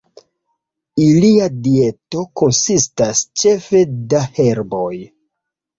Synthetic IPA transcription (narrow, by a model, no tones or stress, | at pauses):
iliadie̞to̞ko̞nsistast͡ʃe̞fe̞dahe̞ɾbo̞j